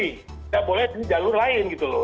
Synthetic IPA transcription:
daʔbolɛt̪inid͡ʒalʊrlaɪnɡit̪ulo

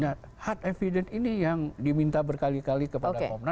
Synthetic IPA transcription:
na | hat̪̚efidɛninijaŋdimint̪abərkalikalikəpaodaɔmna

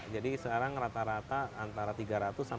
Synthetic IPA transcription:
d͡ʒadisəkaɾaŋrat̪aɾat̪aːnt̪aɾat̪iɡaɾat̪ʊsa

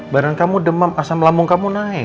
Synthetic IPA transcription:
baɾankamudəmamasaməlamʊŋkamunaɪ

